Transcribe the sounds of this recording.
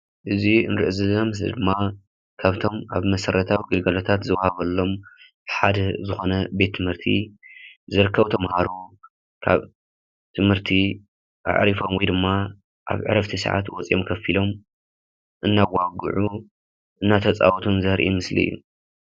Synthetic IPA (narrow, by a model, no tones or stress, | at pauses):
ʔɨziɨnɾɨʔzɨlɐmɨslḭd̪ɨmːa | kʰaβt̪ʰo̞mʔaβmɐsɐɾɐt̪ʰawiɡɨlɡɐlot̪ʰat̪zɨβahaβɐlːo̞m | ħad̪ɐzɨxo̞nɐbe̞t̪ʰːɨmhɨɾt̪ʰḭ | zɨɾɨkʰːɐβt̪ʰɐmhaɾu | kʰa̰β | t̪ʰɨmhɨɾt̪ʰi | ʔa̰ʕɾifo̞mwɔjd̪ɨmːa | ʔa̰βʕɨ̰ɾɐft̪ʰisɨ̰ʕa̰t̪wɔt͡sʼiʔomkʰɐfilo̞m | ʔɨnːawaɡɨ̰ʕu | ʔɨnːat̪ʰɐt͡sʼa̰wt̪ʰunzɐɾʔḭmɨslḭɨ̰jːu